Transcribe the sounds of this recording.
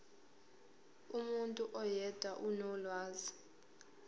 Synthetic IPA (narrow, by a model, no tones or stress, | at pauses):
umuntʼuʔɔjɛd̥ʱwaʔunɔlwaːzi